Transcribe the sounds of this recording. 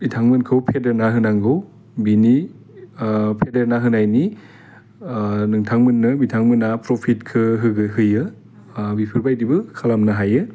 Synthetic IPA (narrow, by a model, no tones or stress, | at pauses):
bitʰaŋmɯnkʰɯwpʰedeɾnaɦɯnaŋɡɯw | bini | pʰedeɾnaɦɯnajni | nɯŋtʰaŋmɯnːɯbitʰaŋmɯnapɾopʰitkʰɯɦɯɡɯɦɯjɯ | bipʰɯɾbajdibɯkʰalamnaɦajɯ